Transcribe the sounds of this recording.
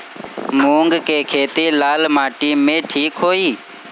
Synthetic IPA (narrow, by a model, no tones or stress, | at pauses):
muːŋɡkeːkʰeːt̪iːlaːlmaːʈiːmːẽːʈʰiːkɦoːiː